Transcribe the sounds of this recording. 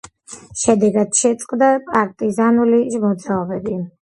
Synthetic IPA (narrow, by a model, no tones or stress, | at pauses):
ʃɛd̪ɛɡad̪̥ʃɛt̪sʼqʼd̪apʼaɾkʼt̪ʼizanuliʒmɔd̪zaɔbɛbi